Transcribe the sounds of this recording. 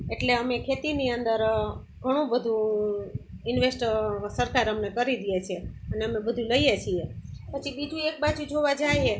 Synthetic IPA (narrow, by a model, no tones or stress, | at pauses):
eʈleəmekʰet̪iniənd̪əɾ | ɡʱəɽ̃ũbəd̪ʱũ | ɪnʋesʈsəɾkaɾəmnekəɾid̪ijet͡ʃʰie | əneəmebəd̪ʱũləijet͡ʃʰiepət͡ʃʰibid͡ʒũek̚bad͡ʒud͡ʒoʋad͡ʒaie